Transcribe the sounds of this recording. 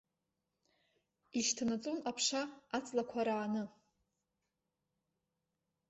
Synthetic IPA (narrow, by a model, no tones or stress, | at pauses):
iʃtʰanat͡sʼonapʰʂaat͡sʼlakʷʰaɾaːnɨ